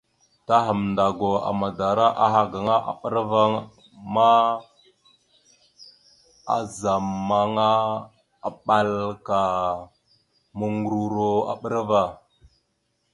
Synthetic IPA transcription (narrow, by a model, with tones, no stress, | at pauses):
ta˦ɦə˨mnda˨ɡo˨a̰˨ma˨da˨ɾa˦ʔa˦ɦa˨ɡa˨ŋa˦ʔa̰˨ɓə˦ɾva˦ŋ | ma˦ | a̰˨za˨mːa˨ŋa˦ | a˨ɓa˦lka˨ | mə˦ŋɡɾu˦ɾo˦a̰˨ɓə˦ɾva˦˨